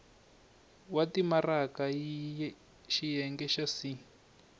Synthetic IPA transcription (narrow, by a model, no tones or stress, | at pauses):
watimarakai | ʃijɛŋɡɛʃasi